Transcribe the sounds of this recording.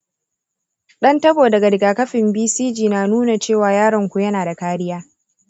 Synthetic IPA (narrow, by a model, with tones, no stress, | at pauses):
ɗɐ˦ntɐ˦boː˨dɐ˨ɡa˨dɪ˨ɡaː˨kɐ˦ɸɪ˨mbiː˦siː˦d͡ʒiː˨naː˨nuː˦na˨t͡ʃeː˦˨waː˨jaː˦ɾɐ˨ŋkʷu˨jɐ˦naː˨da˨kaː˦ɽɪ˦jaː˦